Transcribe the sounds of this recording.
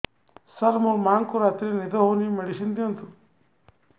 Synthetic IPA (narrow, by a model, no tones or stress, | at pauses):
sɐlmuɾmaːŋkuɾaːt̪ɾenid̪ɐɦoːnimeɽiʃind̪iɐnt̪u